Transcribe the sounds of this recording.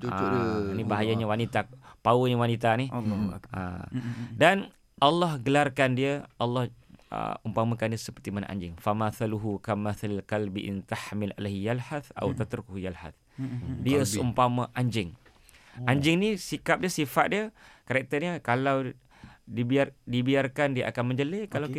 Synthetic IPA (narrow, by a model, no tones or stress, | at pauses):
anibaɦajaɲawanit̪apawuniwanit̪aniʔa̰dan | ʔalːɔhɡəlarkandiəɑlːɔhə̰umpamakandiəsəpərt̪imana̰ʔa̰ɲd͡ʒɪŋfamaθaluɦukamaθalalkalbiʔɪ̰nt̪aħmɪlʔa̰lahjalħaθa̰wt̪at̪ɾʊkhujalħa̰θ | diəsəumpaməʔaɲd͡ʒɪŋ | ʔaɲd͡ʒɪŋnisikap̚diəsifat̪̚diəkaɾɛk̚t̪ərɲəkalaw | dibiardibiarkandiəʔakanmə̃ɲd͡ʒəlɪkalaw